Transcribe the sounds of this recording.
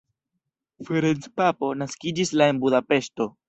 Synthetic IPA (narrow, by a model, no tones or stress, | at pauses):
feɾent͡spapo̞naskid͡ʒislae̞nbudape̞ʃto̞